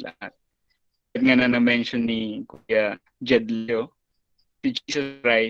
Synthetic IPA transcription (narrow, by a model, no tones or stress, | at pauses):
lɐ̰ha̰t̪̚ | ɐt̪̚ŋanɐnɐmɛnʃɔnːɪkuja | d͡ʒɛd̪lo | sɪd͡ʒiːsɔskɹaj